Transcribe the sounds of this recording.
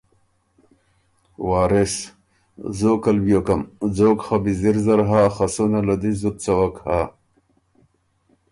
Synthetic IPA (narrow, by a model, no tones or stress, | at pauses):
waːɾes | zoːkɐlbjokɐmd͡zoːkχabiziɾzɐɾɦaːxasunalɐd̪izut̪̚t͡sɐwɐkha